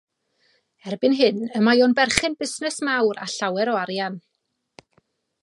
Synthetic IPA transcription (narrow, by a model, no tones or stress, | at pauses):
ɛrbɨnɦɨnəmajɔnbɛrχɪnbɪsnɛsmawɾa̰ɬawɛɾɔaɾjan